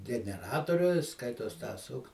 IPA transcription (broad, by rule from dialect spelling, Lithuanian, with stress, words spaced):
ɡʲɛnʲɛˈrɑːtoːrʲʊ ˈskɐɪtoːs tɑː ˈsʊk